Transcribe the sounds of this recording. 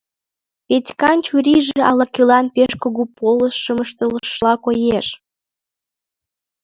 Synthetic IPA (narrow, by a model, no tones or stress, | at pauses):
petʲkɑnt͡ɕuɾiʒĕɑlɑkylɑnpeʃkoɣupʰoləʃːəməʃt̪ələʃlɑkojeʃ